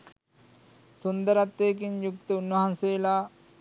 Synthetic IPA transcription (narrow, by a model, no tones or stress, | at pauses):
sund̪əɾat̪ːeːk̬iɲjuk̚t̪əunːʋɐɦanseːla